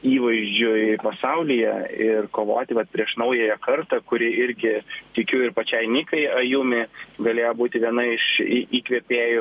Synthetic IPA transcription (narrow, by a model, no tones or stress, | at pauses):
iːʋɐɪʒʲd͡ʒʲʊɪpɐsɐʊlʲɪjɛɪrkoːʋo̰ːt̪ʲɪʋɐt̪̚pʲɾʲiɛʃnɐʊjɛjɛkɐrt̪ɐkʊɾʲɪʔɪɾʲɡʲɪt̪ʲɪkʲuːɪrpɐt͡ʃʲɛɪnʲɪkɐɪɐjuːmʲɪɡɐlʲeːjoːbuːt̪ʲɪʋʲiɛnɐɪʃiʔiːkʋʲiɛpʲeːjʊ